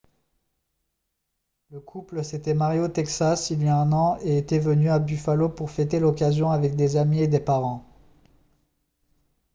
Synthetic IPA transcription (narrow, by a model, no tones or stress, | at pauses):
ləkʰupləset̪ɛmaʁjot̪ɛksasiljaɛ̃nɑ̃eet̪ɛvənyabyfalopuʁfɛt̪elɔkazjɔ̃avɛk̚d̪ezamied̪epaʁɑ̃